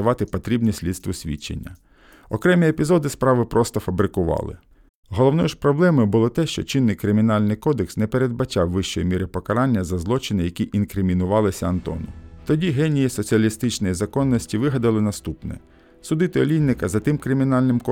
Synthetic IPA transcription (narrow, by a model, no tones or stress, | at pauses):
ɐʋɑt̪ɪpɔt̪ɾʲibnʲisʲlʲid̪st̪ʋʊsʲʋʲḭt͡ʃːḛnʲːɐ̰ | ɔkɾɛmʲiepʲizɔd̪ɪspɾɑʋɪpɾʔɔst̪ɔfɐbɾɪkʊʋɑ̰lˠɪ̰ | ɦɔlˠɔwnɔjʃpɾɔblˠɛmɔjʊbʊlˠɔt̪ɛʃt͡ʃɔ̰t͡ʃɪnːɪjkɾɪmʲinɑlʲnɪjkɔd̪eksnɛpeɾe̞d̪̚bɐt͡ʃɑwːɪʃt͡ʃɔjimʲiɾɪpɔkɐɾɑnʲːɐzɐzlˠɔt͡ʃɪnɪjɐkʲiʔinkɾɪmʲinʊʋɑlˠɪsʲɐɐnt̪ɔ̰nʊt̪ɔdʲiɦɛnʲijisɔt͡sʲiɐlʲist̪ɪt͡ʃnɔjizɐkɔnːɔsʲtʲiʋɪɦɐd̪ɪlˠɪnɐst̪upnɛ̰ | sʊd̪ɪt̪ɪɔlʲijnːɪkɐzɐt̪ɪmkɾɪmʲinɑlʲnɪmkɔ